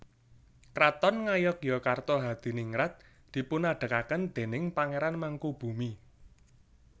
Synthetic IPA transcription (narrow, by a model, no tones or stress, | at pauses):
kɾat̪ɔnŋajɔkjɔkart̪ɔɦad̪̥i̤niŋɾat̪̚ | d̪̥i̤pʊnaɖ̥ə̤kakənd̪̥e̤nɪŋpaŋeɾanmaŋkub̥ṳmi